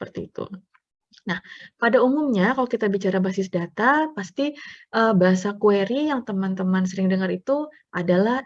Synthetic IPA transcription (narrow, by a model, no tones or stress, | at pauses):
əpərt̪iːt̪ṵ | nahpadaumumɲakalokit̪abit͡ʃaɾabasɪsdat̪apast̪iʔəbaɦasakueɾijaŋt̪əmant̪əmansəɾɪŋdəŋaɾit̪u | ʔadalah